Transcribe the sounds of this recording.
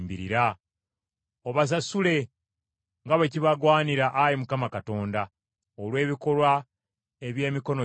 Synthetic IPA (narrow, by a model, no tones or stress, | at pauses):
mbiɾḭɾa | oβas̬asule̞ | ŋɡaβeciβaɡwaːniɾaʔajimukamakato̞ːnda | olwe̞ːβiko̞lwa | e̞βje̞ːmiko̞no